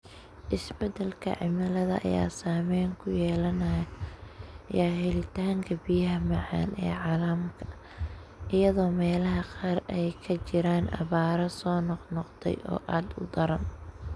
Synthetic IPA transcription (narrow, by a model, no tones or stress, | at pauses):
ʔɪsbɛd̪ɛlkʰɐ̰ʕɪmɐlɐðɐ̰ʔɐ̰ja̰ːsaːmɛjŋkʰʊjɛːlɐnɐj | jaːɦɪlɪt̪ʰaːŋkʰɐbijɐɦɐmɑʕɑ̰ːnʔɛ̰ːʕɑːlɐmkʰɐ̥ | ʔɪjɐðɔːmɛːlɐɦɐqɑːrɛjkʰɐt͡ʃɪɾaːnɐ̰βaːɾɐsɔːnɔqnɔqt̪ʰɛ̰jʔɔ̰ːʔaːd̪ʊ̰d̪ɐɾɐn